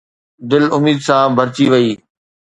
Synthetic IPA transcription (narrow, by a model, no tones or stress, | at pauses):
d̪ɪlʊmiːd̪sãːbʱɐɾt͡ɕiʋɐiː